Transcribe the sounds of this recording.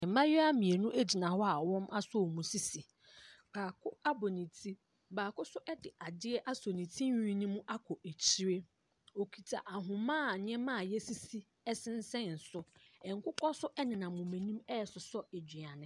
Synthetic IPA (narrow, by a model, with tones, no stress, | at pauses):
m̩˨˦mã˦jɔ˦a˦mĩ˨e˨nũ˦ʔe˦d͡ʑi˨nã˨hɔ˦a˨wɔ̃˦mʔa˦sɔ˦˨mũ˨si˦si˨ | baː˨kʰʊ˦a˦bɔ˨nĩ˨tʰi˦ | baː˨kʊ˦sʊ˦ʔɛ˦dɪ˨ʔa˨dɪ˦ɛ˦ʔa˦sɔ˨nĩ˨tʰĩ˦ĩ˦nĩ˦mũ˦ʔa˦kʰɔ˨ʔe˨t͡ɕʰi˦ɾe˦ | o˨kʰi˨tʰa̰˨ʔa˨ɦʊ̃˨mãː˦˨ɲ˦ɛ̃˦mãː˦˨jɛ˦si˦si˦ | ɛ˦sɪ̃˦n˦sɛ̃˦n̩˨sʊ˦ɛ˨ŋ̩˨˦kʰʊ˦kʰɔ˦sʊ˦ʔɛ˦nɪ̃˨nã˨mʊ̃˨mɛ̃˨nĩ˦mɛ˦˨sʊ˨sɔ˦e˨d͡ʑᶣi˨a˨nɪ̃˨